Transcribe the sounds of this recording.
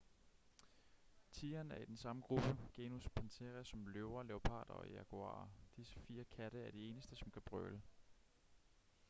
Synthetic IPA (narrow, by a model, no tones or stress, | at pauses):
t͡sʰiːɐnæɐid̥ensɑ̈məɡ̥ʁub̥əɡ̥e̝ːnuspʰɑnt͡sʰeʁæsɒ̽mløʊɐleopʰɑ̰̈ːd̥ɐ̰ɒ̽æɡ̥ʰuɑ̰̈ːɐd̥isə̥fiːɐkʰæɾ̥əæɐɾ̥ie̝ːnəsd̥əsɒ̽mkʰæb̥ʁœ̰lə